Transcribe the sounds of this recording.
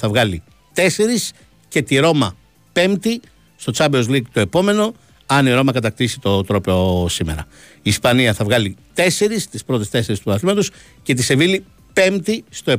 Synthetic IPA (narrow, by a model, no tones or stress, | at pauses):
θɐvɣɐli | t̪e̞se̞ɾis | ce̞t̪iɾo̞mɐ | pe̞mt̪i | st̪o̞t͡sɐbeozliɡt̪oe̞po̞me̞no̞ | ɐniɾo̞mɐkɐt̪ɐkt̪isit̪o̞t̪ɾo̞posime̞̰ɾɐ | iːspɐniɐθɐvɣɐlit̪e̞se̞ɾist̪ispɾo̞t̪est̪e̞se̞ɾist̪umɐθimɐt̪os | ce̞t̪ise̞vili | pe̞mt̪ist̪o̞e̞